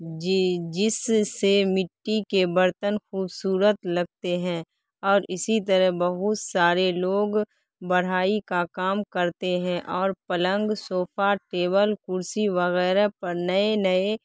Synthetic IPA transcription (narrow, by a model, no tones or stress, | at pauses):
d͡ʒɪsemɪʈːikebəɾt̪ənxuːbsuːɾət̪lɐɡ̚t̪eɦɛ̃ː | ɔːɾɪsit̪əɾəɦbəɦʊt̪saːɾeloːɡ | bəɽ̤aːikakaːmkɐɾt̪eɦɛ̃ʔɔːɾpələ̃ŋɡsoːfʰaʈeːbəlkʊɾsiʋəɣɛːɾapɐɾnəenəe